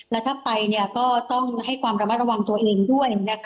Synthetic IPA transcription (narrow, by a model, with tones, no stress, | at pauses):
lɛː˦˥t̪ʰa˥˩pːa˧jni˥˩ɐkɔː˥˩t̪ɔ˥˩ŋɦa˥˩jkʰwaː˧mɾa˧ma˦˥t̪̚ɾa˧wa˧ŋt̪u˧ɐʔeː˧ŋdu˥˩əjna˦˥kʰ